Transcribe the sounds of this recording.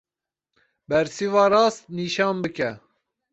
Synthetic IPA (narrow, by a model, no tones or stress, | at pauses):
bɛɾsiːvɑːɾɑːst̪̚niːʃɑːnbɨkɛ